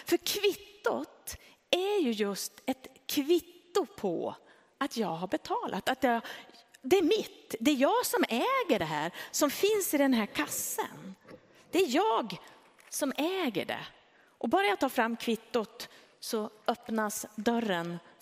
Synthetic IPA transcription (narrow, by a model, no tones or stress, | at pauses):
fœɾkʰvɪt̪ːʊt̪ | æjɵjɵst̪ɛt̪kʰvɪt̪ːʊpʰɔ̰ | at̪jɑːɡɦaɾbɛt̪ʰɑːlʔa̰t̪at̪jɑ | d̪ɛæɾmɪt̪d̪ɛæɾjɑːɡsɔmɛːɡəɖɛɦæːɾsɔmfɪnsɪd̪ɛnɦæːɾkʰasːə̰n | d̪̥ɛæɾjɑːɡ | sɔmɛːɡə̰ɖɛ̰ | ʔɔbɑːɾajat̪ʰːɑːfɾamːkʰvɪt̪ːʊt̪ | sɔœpnasd̪œrːən